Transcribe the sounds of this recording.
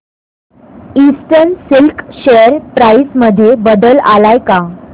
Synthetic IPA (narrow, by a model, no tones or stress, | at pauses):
isʈənsilkɕejəɾpɾaisməd̪ʱːjebəd̪əlalajka